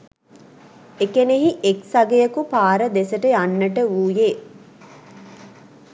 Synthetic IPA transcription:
ekeneɦiʔeksaɡejəkupaːɾəd̪esəʈəjanːəʈəuːjeː

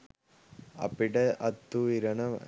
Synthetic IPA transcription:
ɐ̰pːiʈɐʔɐt̪ːuiɾɐɳɐm

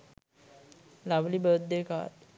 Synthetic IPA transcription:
laʋlibət̪̚d̪eka̰t̪

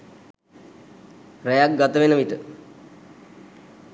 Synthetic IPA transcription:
ɾɛjak̚ɡat̪əʋenəʋit̪ə

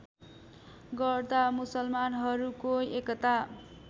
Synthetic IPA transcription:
ɡʌrd̪amusʌlmanɦʌɾukoekʌt̪a

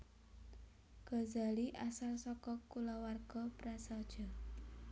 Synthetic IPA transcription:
ɡ̥ɔzaliʔasalsɔkɔkulawarɡ̥ɔpɾasad̥ʒ̥ɔ̤

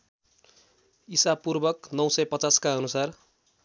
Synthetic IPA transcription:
isapurbʌknʌw̃sʌjpʌt͡saskaʌnusar

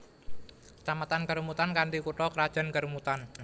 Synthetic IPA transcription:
t͡ʃamat̪ankəɾumut̪ankaɳdikuʈɔkəɾad̥ʒ̥a̤nkəɾmut̪an

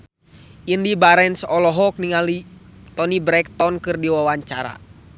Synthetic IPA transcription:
ʔindibaɾɛnsɔlɔɦɔk̚niŋalit̪ɔnibɾɛk̚t̪ɔnkɨrdiwawaɲt͡ʃaɾa̰

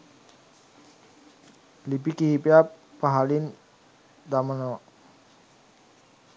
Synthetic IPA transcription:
libikihipiappːaɦalin | d̪aməno

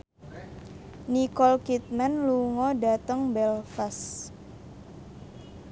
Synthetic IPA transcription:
nikɔlkit̪̚manluŋɔdat̪əŋbɛlfas

